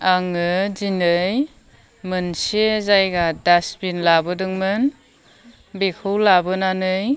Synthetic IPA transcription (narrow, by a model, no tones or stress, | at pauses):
aŋɯzinɯj | mɯnsezajɡadasbinlabɯdɯŋmɯn | bekʰɯwlabɯnanɯj